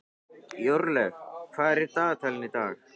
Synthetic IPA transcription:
joɾlefaːɾit̪aːt̪ʰɐlnit̪aːk

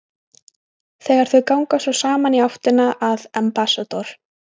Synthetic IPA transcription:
θɛːɣaɾ̥θœɥkawŋkasɔsaːmaniaht̪ɪnaʔaðɛmpasat̪ɔɾ̥

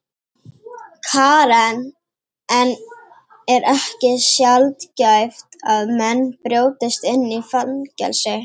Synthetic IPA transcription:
kʰaːɾan | ɛn | ɛɾɛhcɪsjalt̪cajft̪aðmɛnːpɾjoːwt̪ɪst̪ɪnːifalncɛ̰lsɪ

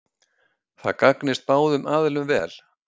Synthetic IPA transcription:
θa̰ðkaknɪst̪̚paːwðʏmʔaːðɪlʏmvɛ̰ːl̥

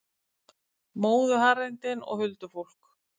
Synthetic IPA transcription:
moːwðʏɦaɾɪnt̪ɪnɔ̰ɣhʏlt̪ʏfowl̥k

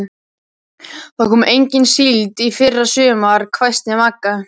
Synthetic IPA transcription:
θaðkʰɔːmʏʔejɲcɪnsilt̪ifɪrːasʏːmaɾkʰvajst̪nɪamakːa

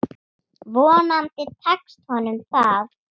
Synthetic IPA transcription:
vɔːnant̪ɪt̪ʰakst̪hɔnʏmθav

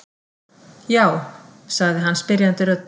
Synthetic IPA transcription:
jaːwsaɣðɪɦanːspɪɾjant̪ɪɾœt̪

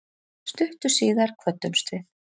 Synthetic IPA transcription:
st̪ʏht̪ʏ̥siːðaɾ̥kʰvœt̪ːʏmst̪vɪθ

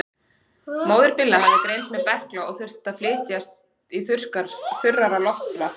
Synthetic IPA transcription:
moːwðʏɾpɪlːahaɾðɪk̪ɾejnt̪mɛðpɛhklaɔɣθʏr̥t̪aðflɪːt̪jast̪iθʏr̥kaɾ̥θʏrːaɾalɔht̪ʏɾa

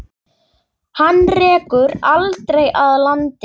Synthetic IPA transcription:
hanːrɛːkʏɾalt̪ɾejʔaðlant̪ɪ

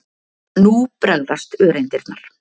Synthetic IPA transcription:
nupɾœɣðast̪œːɾejnt̪ɪɾ̥t̪naɾ̥

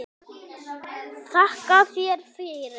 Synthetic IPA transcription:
θʰahkafjɛɾ̥fɪːɾɪ

